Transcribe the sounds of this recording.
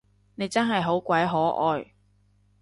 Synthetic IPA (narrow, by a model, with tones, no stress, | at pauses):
ne˨˧jt͡sɐ˥nɦɐ˨jɦo˨˥wkʷɐ˨˥jɦɔː˨˥ʔɔː˧j